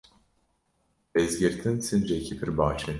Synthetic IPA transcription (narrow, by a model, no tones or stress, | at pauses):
ezɡʲiɾt̪ʰinsind͡ʒɛicʰipʰiɾbaːt͡ʃʰɯn